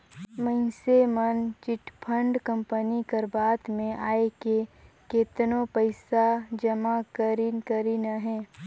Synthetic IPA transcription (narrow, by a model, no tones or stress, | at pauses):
mə̃nsemənt͡ʃɪʈpʰə̃ɳɖkə̃mpənikəɾbaːt̪mẽʔaːeke | keːt̪nõpəɪsad͡ʒɐmakəɾinkəɾinaɦɛː